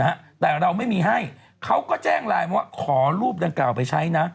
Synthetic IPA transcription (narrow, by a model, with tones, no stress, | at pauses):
a˦˥t̪ɛː˨˩ɾa˧wma˥˩jmiː˧ɦa˥˩j | kʰa˦˥wkɔː˥˩t͡ɕɛː˥˩ŋlaː˧ja˧˩wa˥˩kʰɔː˩˦ɾuː˥˩p̚da˧ŋklaː˨˩wpa˧jt͡ɕʰa˦˥jna˦˥